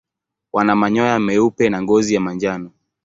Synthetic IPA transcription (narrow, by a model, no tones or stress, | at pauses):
wanamaɲɔjamɛupɛnaŋɡɔzijamaɲd͡ʒanɔ